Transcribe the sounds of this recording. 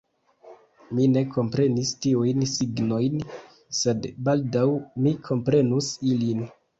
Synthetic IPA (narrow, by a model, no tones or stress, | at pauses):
mine̞kʰo̞mpɾe̞nistiujnsiɡno̞jn | se̞dbaldawmikʰo̞mpɾe̞nusilin